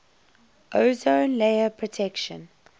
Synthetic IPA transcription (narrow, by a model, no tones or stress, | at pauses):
ʔoʊzõʊnleɪəpʰɹɔtʰɛkʃə̰̃n